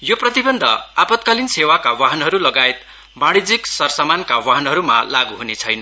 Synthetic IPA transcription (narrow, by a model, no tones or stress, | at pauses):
joprʌt̪ibʌnd̪ʱʌ̰apʌt̪̚kalinsewakawaɦʌnɦʌɾulʌɡaet̪̚ | maɽ̃id͡ziksʌrsamankawaɦʌnɦʌɾuma̰laɡuɦunet͡sʰʌjnʌ